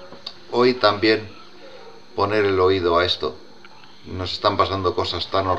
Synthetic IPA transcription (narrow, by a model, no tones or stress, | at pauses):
o̞jt̪ambje̞n | po̞ne̞ɾe̞lo̞ið̞o̞ae̞st̪o̞̰ | no̞se̞st̪ampasand̪o̞ko̞sast̪ano